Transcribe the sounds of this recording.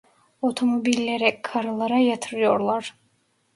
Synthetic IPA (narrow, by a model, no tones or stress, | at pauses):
ot̪ʰo̞mo̞bilʲːeɾɛkʰaɾɯlˠaɾajat̪ʰɯɾɯjo̞ɾlˠaɾ̥